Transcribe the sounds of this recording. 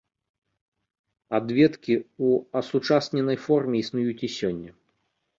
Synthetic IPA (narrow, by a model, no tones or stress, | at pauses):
ad̪vʲɛt̪kʲiuɐsut͡ʂasnʲɛnɐjfɔrmʲɛisnujut͡sʲisʲɔnʲːɐ